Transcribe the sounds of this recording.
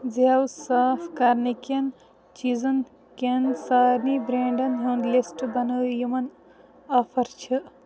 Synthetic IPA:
ziawsaːfkɐɾnikɐn | t͡ʃizɐn | kensaːɾnibɾeːɳɖɐnɦund̪lisʈbɐnɨjumɐn | aːfɐɾt͡ʃʰɨ

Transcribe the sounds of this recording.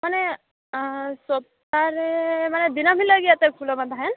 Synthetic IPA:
mane | sɔp̚t̪aɾemaned̪inamilaɡiat̪ɛkʰulɔmad̪aɦɛn

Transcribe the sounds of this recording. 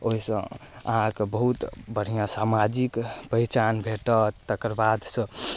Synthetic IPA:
oisə̰̃ə̰ɦãkebəɦut̪bəɽ̤ijãsamad͡ʒikpəit͡ʃanbʱeʈət̪əkəɾbad̪ʱsə̃

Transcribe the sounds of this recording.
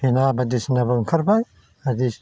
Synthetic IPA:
inabɐd̪isnɐbɐŋkʰɐɾbaj | ɐdi

